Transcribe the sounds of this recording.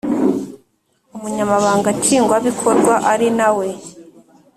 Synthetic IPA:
umuɲamaβaːŋɡat͡ʃiːŋɡwaβikʰo̞ɾɡwaʔaɾinawe̞

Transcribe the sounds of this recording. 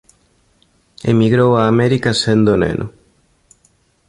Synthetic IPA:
ḛmiɣɾowaːmeɾikasend̪onḛnʔo̰

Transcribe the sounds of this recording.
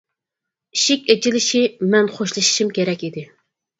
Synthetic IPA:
iʃɪkʲet͡ʃilɪʃimɛnχoʃlˠɨʃi̥ʃimkʲʰeɾɛkʲid̪ɪ

